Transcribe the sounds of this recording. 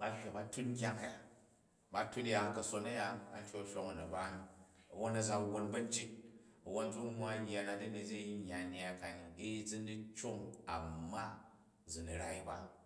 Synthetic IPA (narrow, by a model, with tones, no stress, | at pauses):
ba˦hʲa˨ba˦tu˦tŋ̩˦kʲa˦ŋa˨ja˨ | ba˦tu˦n˦ja˨kɐ˨so˧nɐ˦ja˧a˨n˦tʲo˦ʃʲo˦ŋɐ˨nɐ˨ba˦ni˨ | ɐ˨wo˦nɐ˦d͡za˦wo˧nbɐ˦n̩˦t͡ʃi˦t̚ | ɐ˨wo˦n˦d͡zu˦mʷ˦a˦ja˨na˨di˦ni˨d͡ʒʲe˦ɲː˨a˨ɲa˨a˨ka˨ni˨i˦i˦d͡zi˦n˦di˦t͡ʃo˦ŋa˨ma˦ | d͡zu˨ni˨ɾa˨i˦ba˨˦